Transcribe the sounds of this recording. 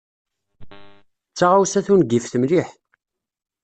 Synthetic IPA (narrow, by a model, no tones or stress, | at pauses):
t͡sːaʁawsæθunɡifθəmliħ